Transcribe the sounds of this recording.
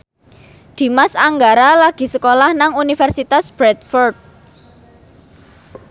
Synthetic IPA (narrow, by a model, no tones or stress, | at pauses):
d̪̥i̤masaŋɡaɾalaɡ̥i̤səkolahnaŋunifɛrsit̪asb̥ɾɛt̪̚fɔrd̪̚